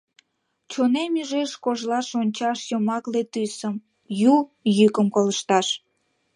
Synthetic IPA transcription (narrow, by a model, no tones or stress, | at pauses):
t͡ɕonemyʒeʃkoʒlɑʃonʲt͡ɕɑʃjomɑklet̪ysəm | jujykəmkoləʃt̪ɑʃ